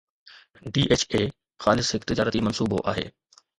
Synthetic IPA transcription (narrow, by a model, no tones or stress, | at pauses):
ɖiːʔeːt͡ɕeː | xaːlɪshɪkt̪ɪd͡ʑaːɾət̪imɐnsuːbo̰ʔa̰ːɦḛː